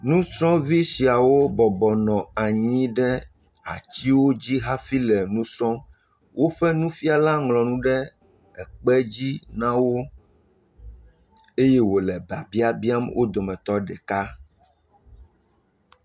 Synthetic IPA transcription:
nũ˦sɔ̃˦vi˦si˨a˨wo˦bɔ˨bɔ˨nɔ̃˨a˨ɲĩ˦ɖɛ˦ | a̰˨t͡ɕi˦wo˦d͡ʑi˦ɦa˦fi˦lɛ˨nũ˦sɔ̃˦ | wʔo˦ɸɛ˦nũ˦fi˦a˦la˦ŋlɔ̃˨nũ˦ɖɛ˦ | ɛ˨k͡pɛ˦d͡ʑi˦nã˦wo˦ | e˦je˦wo˨lɛ˨ba˨bi˦a˨bi˦a˦mwʔo˦d̪o˨mɛ̃˨t̪ɔ˦ɖɛ˨ka˦

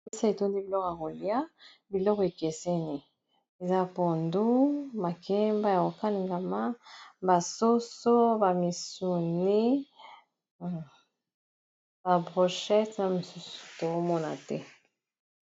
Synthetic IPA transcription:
e˦sa˦e˨to˦nde˦bi˨lɔ˦ka˨ko˨li˦a˦ | bi˨lɔ˦ke˨kɛ˨sɛ˦ni˨ | e˨za˦po˨ndu˦ma˨kʰɛ˦mba˦ja˨ko˨ka˦li˨ŋɡa˨ma˦ba˨so˦so˦ba˨mi˨su˨ne˦˨ | ba˨bʁo˨ʃɛ˦tna˨mo˨su˦su̥˨to˨o˦mɔ˦na̰˨tɛ˦

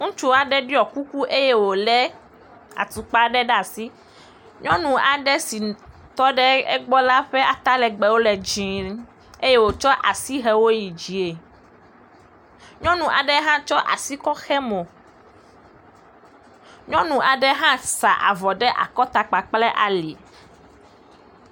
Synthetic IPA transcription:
ŋũ˦t͡ʃu˦a˨ɖɛ˦ɖi˦ɔ˨ku˦ku˦ʔe˦je˦wo˨lɛ˦ | a̰˨t̪u˨k͡pa˦ɖɛ˦ɖɛ˦a˨si˦ | ɲɔ̃˦nũ˨ʔa˨ɖɛ˦si˨ | t̪ɔ˦ɖɛ˦ɛ̰˦ɡ͡bɔ˦la˦ɸɛ˦a˨t̪a˦lɛ˨ɡ͡bɛ˨wo˦lɛ˨d͡ʒĩ˨ | e˦je˦wo˨t͡ʃɔ˦ʔa˨si˦ɦɛ˦wo˦ji˨d͡ʒi˨e˨ | ɲɔ̃˦nũ˨ʔa˨ɖɛ˦ɦã˦t͡ʃɔ˦ʔa̰˨si˦kɔ˦xɛ˦mõ˨ | ɲɔ̃˦nũ˨ʔa˨ɖɛ˦ɦã˦sa˨ʔa̰˨vɔ˨ɖɛ˦ʔa̰˨kɔ˦t̪a˨k͡pa˨k͡plɛ˦ʔa˨li˨

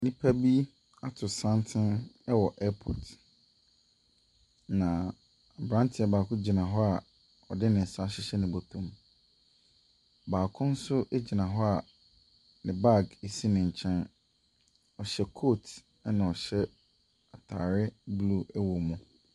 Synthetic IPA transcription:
nĩ˦pʰa˦bi˦ | a˦tʰʊ˨sã˦ntʰɪ̃˦nɛ˦wɔ˨ʔɛ˦pʰɔ̰˨t | nã˨ | a˨bɾã˦ntʰɪ˨˦a˨baː˨kʰʊ̃˦d͡ʑi˨nã˨ɦɔ˦a˨ | ɔ˨dɪ˦nɪ̃˨n̩˨sa˦ɕɪ˦ɕɛ˦nʊ̃˨bo˨tʰũ˦m | baː˨kʰʊ̃˦n̩˦sʊ˦ʔe˦d͡ʑi˨nã˨ɦɔ˦a˨ | nɪ̃˨ba˦˨ɡe˨si˦nɪ̃˨ɲ̩˨t͡ɕʰɛ̃˦n | ɔ˨ɕɛ˦kʰo˦tʰ | nã˨ɔ˨ɕɛ˦ | a˨tʰaː˨ɾɪ˦blu˦˨ʔɛ˦wo˨mʊ̃˨

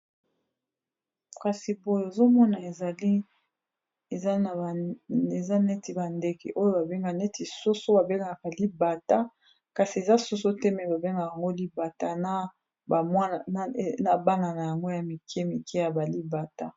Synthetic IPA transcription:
ka˨si˨bo˨jo˨e˨zo˦mɔ˦na˨e˨za˨li˦ | e˨za˦na˨e˨za˦ne˦ti˨ba˨nde˨kɛ̰˨ʔo˦jo˦ba˨be˦ŋɡa˨ne˦ti˨so˦so˦ba˨be˦ŋɡa˨ka˨li˦ba˨ta˦ | ka˨si˨e˨za˦so˦so˦tɛ˦mɛ˨ba˨be˦ŋɡa˨ja˨ŋɡo˦li˦ba˨ta˦na˦ | ba˨mwa˦˨˦na˨ba˦na˨na˨ja˨ŋɡo˦ja˨mi˨kʰɛ˦mi˨kʰɛ˦ja˨ba˨li˦ba˨ta˦

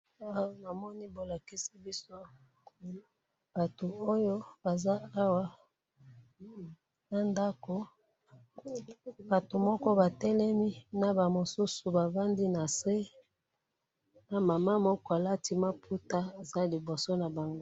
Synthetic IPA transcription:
a˦wa˦na˨mɔ˦ni˦bo˨la˨ki˦si˦bi˦so˦ | b̥a˨to˨o˦jo˦ba˨za˦a˦wa˦ | na˨nda˦ko˨ | ba˨to˨mɔ˦kɔ˦ba˨tɛ˦lɛ˦mi˦na˨ba˨mo˨su˦su˨ba˨va˦ndi˦na˨se˦ | na˨ma˨ma˦mɔ˦kɔ˦a˨la˦ti˦ma˦pʰu˦ta˦e˨za˦li˨bo˨so˦na˨ba˨ŋɡo˦

